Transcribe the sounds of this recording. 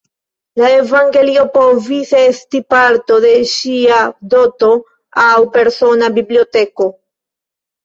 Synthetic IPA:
laevaŋɡe̞lio̞povisestipaɾto̞de̞ʃiadoto̞ | awpe̞ɾso̞nabiblio̞te̞ko̞

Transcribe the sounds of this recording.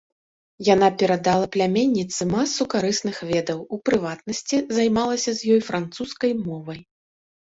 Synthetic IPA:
jan̪apʲɛɾad̪alˠɐplʲamʲɛnʲːit̪sɨmasːukaɾɨsnɨxvʲɛd̪ɐwupɾɨvat̪nɐsʲt͡sʲizajmalˠɐsʲɐzʲjɔjfɾant̪suskɐjmɔvɐj

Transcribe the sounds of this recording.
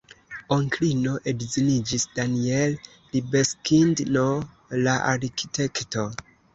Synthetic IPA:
oŋklino̞ʔedzinid͡ʒisdaniel | libeskindno | laʔaɾki̥tʰe̞kto

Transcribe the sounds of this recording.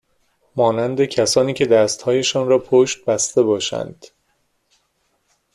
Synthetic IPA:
mɒːnænd̪e̞cʰæsɒːniːcʰe̞d̪æːst̪hɒːje̞ʃɒːnɾɒːpʰoʃt̪̚bæst̪e̞bɒːʃæ̰nd̪̥

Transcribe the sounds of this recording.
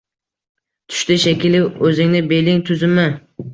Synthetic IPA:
t̪ʰʊ̥ʃt̪ɪʃekʲɪlɪɵzɪŋnɪbelɪŋt̪ʰʊzɪmɪ

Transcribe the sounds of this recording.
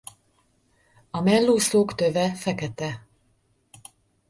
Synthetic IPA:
ɒmɛlːoːsloːkt̪øvɛfɛkɛt̪ɛ

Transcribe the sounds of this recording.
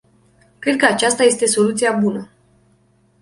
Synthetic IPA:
kɾe̞d̪̚kəat͡ʃast̪aje̞st̪e̞so̞lut̪siabunə

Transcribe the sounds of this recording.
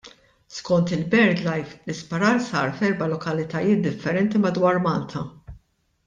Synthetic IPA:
skɔnt̪ɪlbɛɾd̪lɐjflɪspɐɾɐɾsɐːɾfɛɾbɐlɔkɐlɪt̪ɐjɪːt̪̚d̪ɪfːɛɾɛnt̪imɐd̪wɐːɾmɐlt̪ʰɐ

